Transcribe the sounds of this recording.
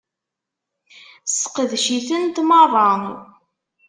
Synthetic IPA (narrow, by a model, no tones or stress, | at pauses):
səqəðʃiθənt̪mɑrˤɑn